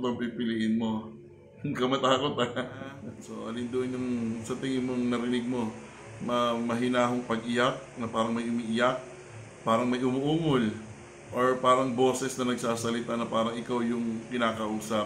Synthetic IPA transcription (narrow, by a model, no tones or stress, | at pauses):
t̪ɐɡpipɪliʔɪnmo̞ | ŋkɐmɐt̪aːko̞t̪a | so̞ʔɐ̰lɪnd̪oʔonjʊŋsɐt̪ɪŋɪnmoŋnɐɾɪnɪɡ̚mo̞ | mɐmɐɦɪnaːɦoŋpɐɡʔɪjak̚nɐpaːɾɐŋmɐjʔʊmiːʔɪjak̚ | paːɾɐŋmɐjʔʊmʊʔuːmol | ʔo̞ɹpaːɾɐŋbo̞ːsɛsnɐnɐɡsaːsɐlɪt̪anɐpaːɾɐŋʔɪkawjʊŋkɪnaːkɐʔuːsɐp